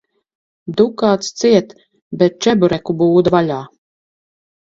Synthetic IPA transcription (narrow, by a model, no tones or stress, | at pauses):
d̪ukaːt̪st̪siɛt̪ | bʲɛt̪̚t͡ʃɛbuɾɛkubuːd̪valʲaː